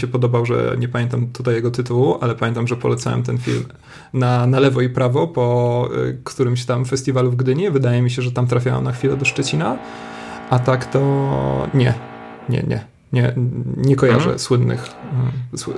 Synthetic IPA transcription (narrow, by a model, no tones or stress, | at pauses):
ɕɛpɔd̪ɔbawʐɛ̰ɲɛpamʲjɛnt̪amt̪ut̪ajːɛɡɔt̪ɘt̪uwuʔalɛpamʲɛnt̪amʐɛpɔlɛt̪sawɛ̰mt̪ɛnfʲḭlm | nanalɛvɔipɾavɔpɔ | kt̪uɾɘmɕt̪amfɛsʲt̪ʲivaluvɡd̪ɘɲɛvɘd̪ajɛmʲiɕ̬ɛʐɛt̪amt̪ɾafʲjawa̰mnaxfʲilɛd̪ɔʂt͡ʂɛt͡ɕina | ʔat̪akt̪ɔɲɛ̰ | ɲɛ̰ɲɛ̰ | ɲɛɲɛkɔja̰ʐɛ̰swɘnːɘ̰x | s